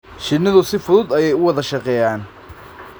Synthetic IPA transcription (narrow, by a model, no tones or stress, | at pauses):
ʃɪnːɐðʊsɪfʊðʊd̪ɐjɛjʊwɑðɐʃɑqɛːjaːn